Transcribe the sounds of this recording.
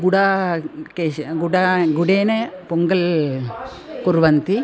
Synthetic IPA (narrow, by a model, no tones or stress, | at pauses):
ɡuɽakeɡuɽɐɡuɽeːnɐpuŋɡɐl | kuɾʋɐnt̪i